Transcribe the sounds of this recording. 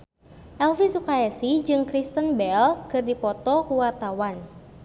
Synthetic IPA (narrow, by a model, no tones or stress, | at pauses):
ʔɛlfisukaɛsid͡ʒɨŋkɾist̪ənbɛlkɨrdipɔt̪ɔkuwart̪awan